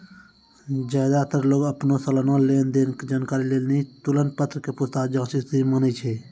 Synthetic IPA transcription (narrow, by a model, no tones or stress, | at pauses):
d͡ʒaːd̪at̪əɾloːɡəpnosələnõleːnd̪eːnked͡ʒaːnkaːɾileːlnit̪ʊlən̚pət̪ʰɾəkepʊst̪aːd͡ʒaːsisd̪imənət͡ʃʰe